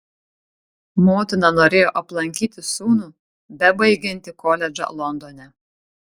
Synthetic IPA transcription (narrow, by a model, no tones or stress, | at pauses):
moːt̪ʲɪnɑnoːɾʲeːjoːʔɐplˠɐŋʲkʲiːt̪ʲɪsuːnuː | bʲɛbɐɪɡʲɪnʲt̪ʲɪkoːlʲɛd͡ʒɐ̰lˠɔnd̪oːnʲɛ